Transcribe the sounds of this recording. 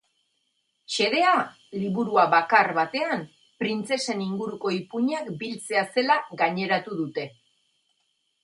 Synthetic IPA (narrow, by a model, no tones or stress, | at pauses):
ʃe̞ðe̞a | liβuɾuaβakarβat̪e̞an | pɾint͡se̞se̞niŋɡuɾuko̞ipuɲakbilt͡se̞ase̞laɡaɲe̞ɾat̪uðut̪e̞